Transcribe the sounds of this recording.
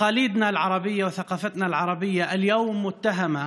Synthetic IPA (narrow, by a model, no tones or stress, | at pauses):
ɑːliːd̪nalʕɑɾˤɑbɪjːawθaqɑːfat̪nalʕɑɾˤɑbɪjːaʔɪljoːmːʊt̪ːaɦama